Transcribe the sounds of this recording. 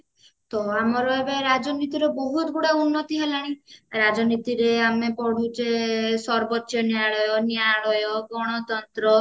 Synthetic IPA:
t̪ɔamɔɾɔebeɾad͡ʒɔnit̪iɾɔbɔɦut̪ɔɡuɽaunːɔt̪iɦelaɽ̃iɾad͡ʒɔnit̪iɾeamepɔɽ̤ud͡ʒesɔɾbɔtːjɔnjaɭɔjɔnjaɭɔjɔɡɔɽ̃ɔt̪ɔnt̪ɾɔ

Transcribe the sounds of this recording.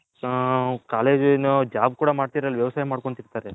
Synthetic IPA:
kaːle̞ːd͡ʒnud͡ʒaːb̚kuːɽɐmaːɽt̪iɾɐlːiʋjɐʋɐsaːjɐmaːɽkoɳt̪iɽt̪aːɾe

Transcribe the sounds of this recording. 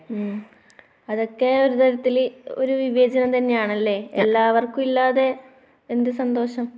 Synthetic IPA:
ɐðo̞kːe̞o̞ɾut̪ɐɾɐt̪ːilo̞̰ɾuʋiʋe̞ːd͡ʑɐnɐmt̪ɐnːejaːɳɐlːe̞ːḛlːaːʋɐrkumilːaːðe̞ | end̪ɨsɐnd̪o̞ːɕɐm

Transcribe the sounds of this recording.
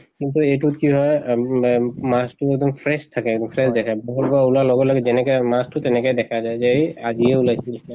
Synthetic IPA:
kintuetutkiɦɔj | mastuɛk̚d̪ɔmpʰɹɛstʰːakɛɛɡ̚d̪ɔmpʰɹɛsdɛkʰabɔɦɔlbaulalɔɡɔlɔɡɛzɛnɛkɔmastutɛnɛkɔjdɛkʰazajzɛjaziɛulajsil

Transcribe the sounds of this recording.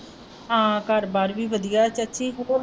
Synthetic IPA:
ãːkəɾbaːɾʋiːʋəd̪ijaːt͡ʃətːʃʰiːɦoːɾ

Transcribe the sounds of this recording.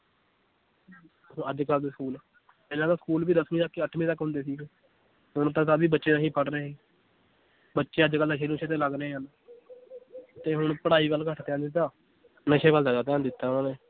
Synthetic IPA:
əd͡ʒkald̪eːskuːlː | pɛːlãːd̪aːsə̥kuːlbiːd̪əsmĩːt̪əkːəʈʰmĩːt̪əkɦʊ̃nd̪eːsiːɡeː | ʊñt̪ãːt̪aːbiːbətːʃeːnaɦĩːpəʈɾəeːiː | bətːʃeːəd͡ʒkəlːãʃeːlũːt͡ʃʰeːt̪eːləɡɾəẽːɦən | t̪eːɦʊɳpəɽaːiːʋəlkəʈʰt̪ɛ̃ːnd̪ɪt̪ːaː | nəʃeːbəld̪aːd͡ʒaːt̪ãːnd̪ɪt̪ːaːʊnãːneː

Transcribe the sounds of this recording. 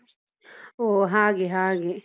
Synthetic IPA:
oɦãːɡeɦãːɡe

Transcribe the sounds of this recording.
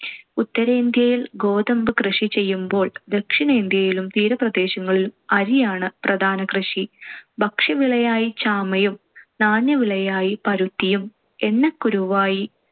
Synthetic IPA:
ut̪ːɐɾɐind̪jɐjilɡo̞ːd̪ɐmbɨkrɨʂit͡ɕe̞jːumbo̞ːɭd̪e̞kʂinɐind̪jɐjilumt̪iːɾɐprɐd̪e̞ːɕɐŋːɐɭilumɐɾijaːɳɨprɐd̪ʱaːnɐkrɨʂibʱɐkʂɐʋiɭɐjaːjit͡ɕaːmɐjum | naːnjɐʋiɭɐjaːjipɐɾut̪ːijum | e̞nːɐkːuɾuʋaːji

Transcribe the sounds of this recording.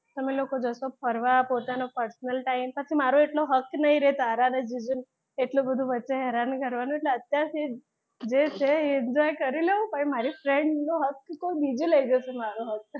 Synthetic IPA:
t̪əmelokod͡ʒəsopʰəɾʋapot̪anopəɾsnəlʈaimpət͡ʃʰimaɾoeʈloɦəknəɦĩɾɛɦt̪aɾaned͡ʒid͡ʒun | eʈlobəd̪ʱũʋətːʃeɦɛɾankəɾʋanũeʈleət̪jaɾse | d͡ʒet͡ʃʰeɪɲd͡ʒɔjkəɾileũpəɳmaɾifɾeɳɖnoɦəkːoibid͡ʒuləid͡ʒosemaɾoɦək̚

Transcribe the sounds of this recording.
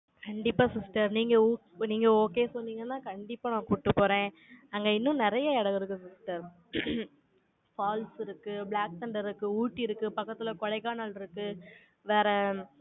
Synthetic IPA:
kɐɳɖɪpːaːsɪsʈɐɾniːŋɡɐuːniːŋɡɐoːkeːsɔnːiːŋɡɐnãːkɐɳɖɪpːaːnãːkuːʈːɯpːoːɾẽː | ɐŋɡɐɪnːʊ̃nɪɾɐjɐɛɽɐɣɯɾɯkːɯsɪsʈɐɾ | faːlsɪɾɯkːɯbɭaːk̚sɐɳɖɐɾɯkːɯuːʈːɪɾɯkːɯpɐkːɐt̪ːɪlɐkɔɻɐɪkːaːnalɪɾɯkːɯ | ʋeːɾɛ

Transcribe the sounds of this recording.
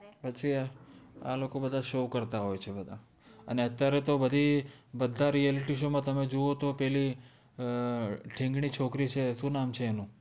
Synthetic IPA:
pət͡ʃʰi | a̰lokobəd̪ʱaʃokəɾt̪aɦojt͡ʃʰebəd̪ʱa | ə̰neət̪jaɾet̪obəd̪ʱibəd̪ʱaɾieliʈiʃomãt̪əmed͡ʒoʋot̪opɛɦli | ʈʰɪ̃ŋɡɳit͡ʃʰokɾit͡ʃʰesũnamt͡ʃʰeːnũ

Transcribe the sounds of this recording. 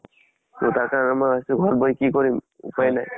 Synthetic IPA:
totaɹkaɹɔnɛmɔjastuɡʱɔɹɔt̚bɔikikɔɹim | ṵpajnaj

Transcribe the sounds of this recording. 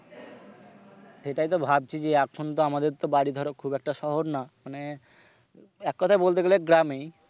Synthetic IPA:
ʃeʈajt̪̬obʱab̚t͡ɕʰid͡ʑeakʰont̪oamad̪eɾt̪obaɾid̪ʱɔɾokʰubɛk̚ʈaʃɔɦoɾnamane | ɛkːɔt̪ʰaebolt̪eɡeleɡɾamej

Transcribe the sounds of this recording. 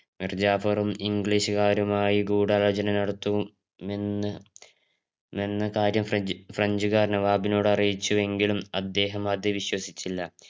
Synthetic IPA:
mird͡ʑaːfɐrumiŋɡɭiːɕɨkaːɾɐmaːjiɡuːɽaːlɐd͡ʑɐnɐnɐɽɐt̪ːu | menːɐkaːɾjɐmfrɐɲd͡ʑuɣaːrnɐʋaːbino̞ːɽɐrijit͡ɕːuʋe̞ŋɡilumɐd̪ːe̞ːɦɐmɐd̪ɨʋiɕwɐsit͡ɕːilːɐ

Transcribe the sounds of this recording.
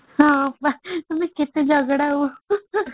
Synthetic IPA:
ɦãbat̪umĩkit̪ed͡ʒəɡɽaɦo

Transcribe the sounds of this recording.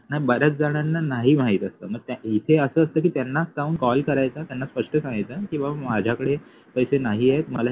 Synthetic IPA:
naɦibəɾət͡sd͡zaɽ̃janːanaɦiːm̤aɦit̪əst̪ə̰ːməɡ̚t̪aɦit̪ʰeəsəːst̪əːkiːt̪janːask̪auːnkɔlkəɾajt͡sat̪janːaspəʂʈəsãŋɡit͡sakĩw̃ʋamad͡ʑʱakəɽe | pəjsenaɦiet̪məla

